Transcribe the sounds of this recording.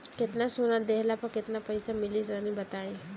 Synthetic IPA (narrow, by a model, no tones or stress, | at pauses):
kɪt̪nasʊnad̪eːɦlapɐɾkɪt̪napɐɪsamɪlid͡ʒaːnibɐt̪aːe